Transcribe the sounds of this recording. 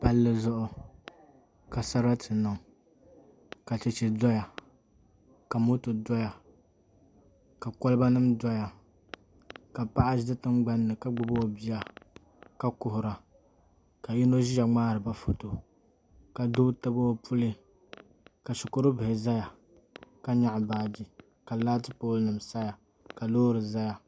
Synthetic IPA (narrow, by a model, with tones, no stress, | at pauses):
pa˦lːɨ˦zʊ˦ʔʊ˦ | ka˨sa˦ɾa˦tʰɨ˨nɨ˨ŋ | ka˨t͡ʃɪ˨t͡ʃɪ˨dɔ˦ja˨ | ka˨mo˦tɨ˨dɔ˦ja˨ | ka˨kɔ˦lɨ˦ba˦nɨ˦mdɔ˦ja˨ | ka˨pa˦ʔa˦zdɨ˦tɨ˦ŋɡ͡ba˦nːɨ˨ka˦ɡ͡bʊ˨bo˦˨bi˦ja˦ | ka˦kʊ˨hʊ˨ɾa˨ | ka˨ji˦no˦ʒi˦ja˨ŋ͡maː˦ɾɨ˨ba˦fo˨to˨ | ka˨do˦tɨ˦bo˦pʰu˦lɨ˦ | ka˨ʃʊ˨ko˦ɾɨ˦bɨ˨hɪ˨za˦ja˨ | ka˦ɲa˦ʔbaː˦d͡ʒi˨ | ka˨la˦tɨ˦poː˦lnɨ˨msa˦ja˨ | ka˨loː˦ɾɨ˨za˦ja˨